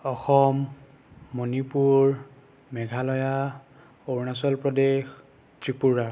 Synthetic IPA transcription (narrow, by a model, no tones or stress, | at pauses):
ɔxɔmː | onipuɹ | mɛɡʱalɔja | oɹnas̬ɔlpɹɔdex | tɹipuɹa